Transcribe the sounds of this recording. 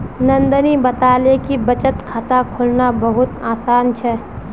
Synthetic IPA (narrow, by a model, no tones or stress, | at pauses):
nə̃nd̪ənibət̪aːlekibət͡ʃət̪kʰaːt̪akʰʊlnabəɦʊt̪aːsaːnt͡ʃʰɛː